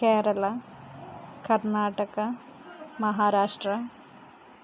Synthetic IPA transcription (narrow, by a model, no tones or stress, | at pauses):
keːɾɐlɐ | kɐrnaːʈɐɣɐ | mɐɦaːɾaːʂʈrɐ